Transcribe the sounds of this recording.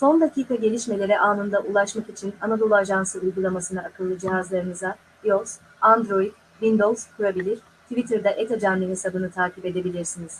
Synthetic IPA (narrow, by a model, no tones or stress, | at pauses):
so̞nd̪acʰiːkaɟe̞lʲiʃme̞lʲe̞ɾɛʔaːnɯnd̪aʔulˠaʃmakit͡ʃʰinanad̪o̞lˠuaʒansɯujɡulˠamasɯnaːkʰɯlˠːɯd͡ʒiɦazlˠaɾɯnɯza | ioz̥ | and̪ɾo̞id̪ | vind̪olˠzkʰuɾabilʲiɾ̥ | t̪ʰivit̪ʰɯɾd̪aʔet̪ʰad͡ʒanlʲininsabɯnɯt̪ʰaːcipe̞d̪e̞bilʲiɾsiniz̥